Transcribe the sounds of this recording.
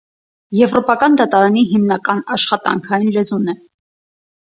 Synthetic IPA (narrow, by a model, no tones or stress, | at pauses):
jɛvɾɔpɑkɑnd̪ɑt̪ɑɾɑniɦimnɑkɑnɑʃχɑt̪ɑ̰ŋkʰɑjinlɛzunɛ